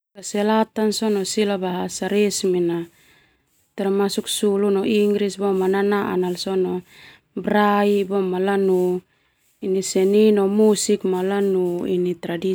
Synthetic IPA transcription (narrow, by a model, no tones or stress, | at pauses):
kaselat̪ansonosilabaɦasaɾesmina | t̪armasuksulunoʔiŋɡɾisbomananaʔa̰nalsono | bɾaibomalanu | inisɛninomusikmalanuḭnit̪ɾadi